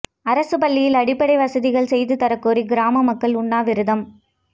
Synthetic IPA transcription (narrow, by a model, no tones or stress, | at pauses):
ɐɾɐsɯpɐɭːɪjɪlɐɽɪpːɐɽɐɪʋɐsɐðɪɣɐɭsɛjðɯt̪ɐɾɐkːoːɾiɡɪɾaːmɐmɐkːɐɭʊɳːaːʋɪɾɯðɐm